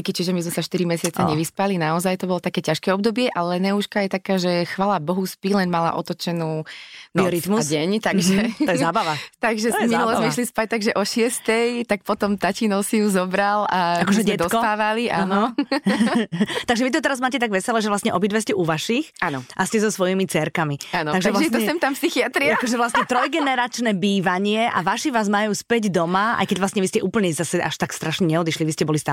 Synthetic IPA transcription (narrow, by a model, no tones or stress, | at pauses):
kit͡ʃiʒɛmizmɛsaʃt̪iɾimɛsɪat͡saɲɛʋispalinaɔzajt̪ɔbɔlɔt̪akɛːcaʃkɛːɔbd̪ɔbɪɛʔalɛnɛuʃkajɛt̪akaːʒɛxʋaːlabɔɦuspilɛnmala̰ʔɔ̰t̪ɔt͡ʃɛnuːnɔɾit̪musɛɲt̪aɡʒɛɔɛzaːbaʋat̪aɡʒɛminulɔzmɛiʃlispac̚t̪aɡʒɛʔɔʃɪɛst̪ɛjt̪ak̚pɔt̪ɔmt̪acinɔʊsijuzɔbɾalaakɔʒɛɟɛtd̪ɔskɔt̪aːʋaliʔanɔ | t̪aɡʒɛʋit̪ɔt̪ɛɾazmaːcɛt̪aɡʋɛsɛlɛʒɛʋlast̪ɲɛʔɔbid̪ʋɛscɛʔuʋaʃixanɔʔascɛzɔsʋɔjimit͡sɛɾkamianɔt̪aɡʒɛlaɛt̪ɔɛsɛmt̪ampsixiat̪ɾiaakɔʒɛʋlasɲɛt̪ɾɔjɡɛnɛɾat͡ʃnɛbiːʋaɲɪɛʔa̰ʋaʃiʋaːzmajuːspɛɟd̪ɔmaa̰jkɛɟʋlastɲɛʋiscɛʔuːpl̩ɲɛzasɛʔa̰ʃt̪akst̪ɾaʃɲɛɲɛɔd̪iʃliʋiscɛbɔlist̪a